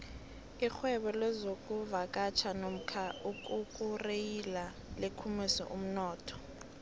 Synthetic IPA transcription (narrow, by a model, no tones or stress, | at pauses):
ixwɛɓɔlɛzok̬ʼuvak̬ʼat͡ʃʰanom̩kʰaukʼukʼurejila | lekʰumisɔ̰ʔum̩nɔːtʰɔ̥